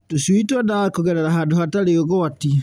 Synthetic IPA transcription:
tosuitwɔdakoɣɛɾɛɾaɦaːndoɦataɾeoɣɔati

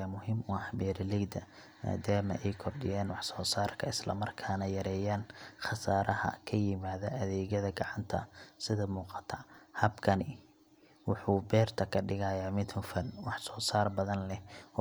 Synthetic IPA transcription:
amʊɦɪmʊɑħbɛːɾlɪɡd̪ɐ | ma̰ːd̪aːmɐ̰ʔɛjkʰɔrɖɪ̰jaːnwɑħsɔːsaːrkʰɐɪslɐ̰mɐrkʰaːnɐjɐɾɛːjaːnχɑsaːɾɐɦɐ̰kʰɐjɪmaːðɐʔɐðɛːɣɐðɐɡɑʕɑnt̪ʰɐ̰sɪðɐmuːqɑ̥t̪ʰɐhɐbkʰɐnɪ | wʊħuːbɛːrt̪ʰɐkʰɐɖɪɣajaːmɪt̪ʰʊfɐnwɑħsɔːsaːrbɐðɐnlɛ

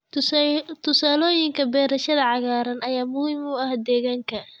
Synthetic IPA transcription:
t̪ʰʊsaːlɔːjɪŋkʰɐbɛːɾɐʃɐðɐʕɑɣaːɾɐnɐjaːmʊhimʊɐhd̪ɛːɣaːŋkʰɐ

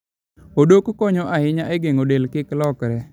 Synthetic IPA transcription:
odokkoɲɔʔahɪɲaʔeɡeŋodelkɪklɔkɾɛ

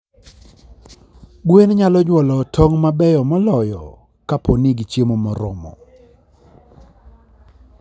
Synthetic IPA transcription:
ɡwenɲalɔɲwɔlɔtʰoŋmabɛjɔmɔlɔjɔ̰ | kapʰɔnɪɡit͡ʃjemomɔɾɔ̰mɔ̰

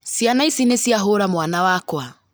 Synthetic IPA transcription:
sjanaisinesjaɦoɾamwanawakwa

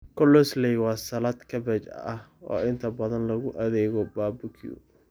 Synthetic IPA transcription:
kʰɔlːɔslɛjwɑːsɐlaːd̪kʰɐbɛt͡ʃɐ̰ʔɐhɔ̰ːɪnt̪ʰɐbɐðɐnlɐɣʊʔɐðɛːɣɔbaːbʊkʰḭṵ

